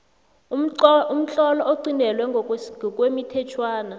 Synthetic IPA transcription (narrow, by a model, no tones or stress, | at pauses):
um̩t͡ɬʼɔlɔoǃinʱɛlwɛɔkʼwemitʰɛt͡ʃʰwaːna